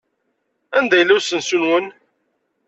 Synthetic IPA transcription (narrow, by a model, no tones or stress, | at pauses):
ænd̪æjlːæwsənsunwən